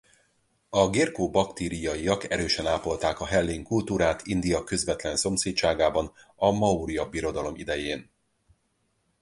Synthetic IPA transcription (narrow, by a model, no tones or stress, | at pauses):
ɒɡiːrkoːbɒkt̪eːɾijɒiɒkɛɾøːʃɛnaːpo̞lt̪aːkɒɦɛlːeːŋkult̪uːɾaːt̪ʰind̪ijɒkøzʋɛt̪lɛnso̞mseːtt͡ʃaːɡaːbɒnɒmɒuɾijɒbiɾo̞d̪ɒlo̞mid̪ɛjeːn